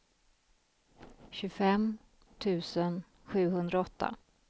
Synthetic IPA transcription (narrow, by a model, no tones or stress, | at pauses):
ɕɵfɛm | t̪ʰʉ̟ːsən | ɧʉ̟ːɦɵnd̪ɾaɔt̪ːa̰